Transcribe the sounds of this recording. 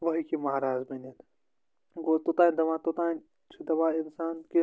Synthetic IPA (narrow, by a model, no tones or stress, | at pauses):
ʋɐɦikimɐɦaɾaːzmenet̪ | ɡoːt̪ot̪aːnd̪ɐʋãːt̪ot̪ãːn | t͡ʃʰid̪ɐʋãːɪnsaːnki